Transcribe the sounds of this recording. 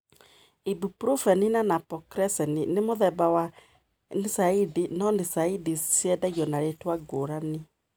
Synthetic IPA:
ibupɾufɛninanapɔkɾɛsɛninemoðɛbawa | nisaidinɔnisaidisjɛdaɣiɔnaɾetwaɡoɾane

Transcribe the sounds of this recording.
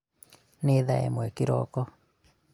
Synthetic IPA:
neðaḛmwekiɾɔ̰kɔ

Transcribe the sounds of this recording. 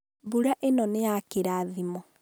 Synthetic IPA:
buɾaʔenɔneakeɾaːðimɔ

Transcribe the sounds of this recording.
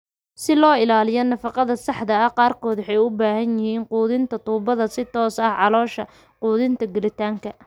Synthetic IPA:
sɪlɔːɪlaːlɪjɔnɐfɑqɑðɐsɑħd̪ɐɐqɑːrkʰɔːd̪ʊħɛjʊbaːhɐnjɪhiːnquːðɪnt̪ʰɐt̪uːbɐðɐsɪt̪ʰɔːsɐhʕɑlɔːʃɐ | quːðɪnt̪ʰɐɡɛlɪt̪ʰaːŋkʰɐ

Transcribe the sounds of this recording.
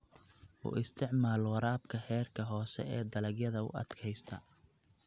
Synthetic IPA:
ʔʊ̰ʔɪst̪ʰɪʕmaːlwɐɾaːbkʰɐħɛːrkʰɐɦɔːsɛ̰ɛːd̪ɐlɐɡjɐðɐʊ̰ɐ̰d̪̥kʰɛjst̪ʰɐ

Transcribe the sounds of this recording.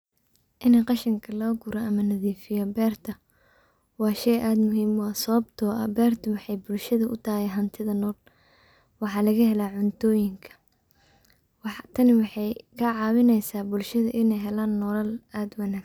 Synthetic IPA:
ʔɪnɛqɑʃɪŋkʰɐlɔːɡʊɾɐʔɐmɐnɐðiːfɪjɔbɛːrt̪ʰɐ | wɑːʃɛjʔaːd̪mʊɦiːmwɑːsɐβɐbt̪ʰɔːʔɐ̰bɛːrt̪ʰɐwɑħɑjbʊlʃɐðɐʔʊ̰t̪ʰaːjɛɦɐnt̪ʰɪðɐnɔːl | wɑħɑːlɐɣɐhɛlaːʕʊnt̪ʰɔːjɪŋkʰɐ̥ | wɑħt̪ʰɐnɪwɑħɑjkʰɐʕɑːwɪnɛjsaːbʊlʃɐðɐʔɪnɛjɦɛlaːnːɔlɐlaːd̪wɑnaːɡ

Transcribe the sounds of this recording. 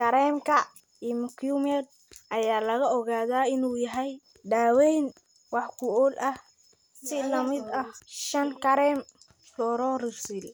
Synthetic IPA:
kɐɾɛːmkʰɐ | imʊkʰjumɛd̪̚ | ʔɐjaːlɐɣɐʔɔɣaːðaːɪnuːjɐɦɛj | d̪aːwɛjn | wɑħkʰʊɔlʔɐh | sɪlɐmɪd̪ɐhʃɐŋkɐɾɛːm | fɔːɾɔːrɪsil

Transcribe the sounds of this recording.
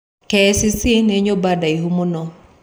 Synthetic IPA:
kesisineɲobadaiɦumonɔ

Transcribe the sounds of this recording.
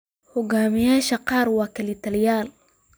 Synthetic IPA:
hʊɡamijaʃaqaːɾwakalit̪aljaːl

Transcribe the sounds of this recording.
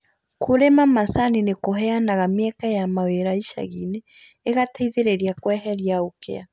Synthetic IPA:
kʰoɾemamasaninekoɦɛanaɣameɛkajamaweɾaiʃa̰ɣineːɣataiðeɾeɾiakwɛɦɛɾjaokḛa

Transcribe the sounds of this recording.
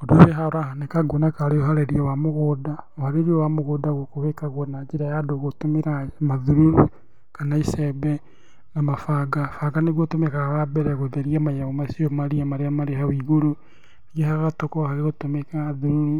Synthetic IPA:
odoβeɦaoɾahanekaɡonakaɾeoɦaɾeɾiowamoɣoːdaohaɾeɾiowamoɣodaɣokoβekaɣwonad͡ʒeɾajadoɣotomeɾamaðuɾuɾu | kanaisɛbɛ | namafaɡafaɡaneɣotomekaawabɛɾɛɣoðeɾiamajaβomasiomaɾiamaɾeamaɾehawiɣoɾo | ɣehaɣatokohaɣeɣotomekaðuɾuɾu

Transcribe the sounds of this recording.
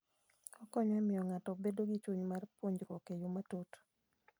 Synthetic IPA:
ɔkɔɲamɪjɔŋatɔbedoɡit͡ʃuɲmarpwoɲd͡ʒɾwɔkejʊmatot

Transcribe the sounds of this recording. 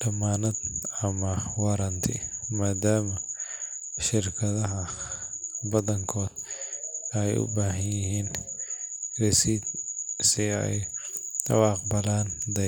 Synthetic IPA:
ɖɐmaːnɐd̪ɐmɐwɑɾɐnt̪ʰɪ̰maːd̪aːmɐ | ʃɪɾkʰɐðɐɦɐ | bɐðɐŋkʰɔːd̪ | ɛjʊ̰baːɦɐnjɪɦiːn | rɛsiːd̪̚sɪɛ̰jd̪ɐ̰wɑːqbɐlaːnd̪ɐ

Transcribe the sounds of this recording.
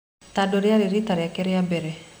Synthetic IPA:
t̪adɔɾɪaɾiɾit̪aɾɪakɛɾɪabɛɾɛ

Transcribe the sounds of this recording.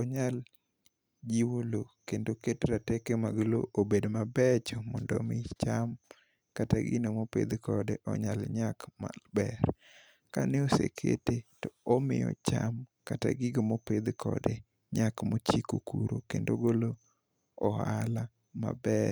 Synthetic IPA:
ɔɲal | d͡ʒiwolokendoketɾatɛkemaɡolo̰obedmabɛt͡ʃɔmɔndɔmɪt͡ʃam | kataɡɪnomopḛd̪kʰɔdeʔɔ̰ɲalɲakma̰bɛɾ | kanɛosḛkʰḛtetɔomɪ̰jɔ̰t͡ʃamkata̰ɡɪɡomoped̪kʰɔ̰de | ɲakmot͡ʃikokuɾokendoɡolo | ɔhala | ma̰bɛ

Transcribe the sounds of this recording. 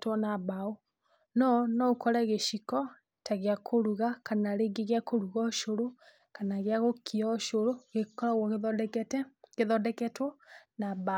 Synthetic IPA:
twɔnabao | nɔnɔokʰɔɾɛɣeʃikɔ | taɣeakʰoɾuɣakanaɾeɡeɣeakoɾuɣɔʃoɾo | kanaɣeaɣokʰiɔʃoɾoɣekɔɾaɣwɔɣdɛkɛtɛɡeðɔdɛkɛtwɔnaba

